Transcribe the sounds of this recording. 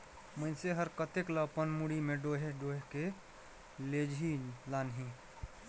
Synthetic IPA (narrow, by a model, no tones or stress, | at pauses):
məɪnseɦəɾkət̪ekləpənmuɽimẽɖoːɦeɖoːɦeke | led͡ʒʱilaːnɦĩ